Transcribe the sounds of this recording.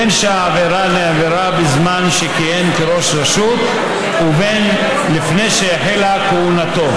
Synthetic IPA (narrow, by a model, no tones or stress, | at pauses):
enʃeaaveɾaneveɾabizmanʃekijemkeɾo̞ʃɾeʃut̪ | uven | lifnejʃejaħelakeunat̪o̞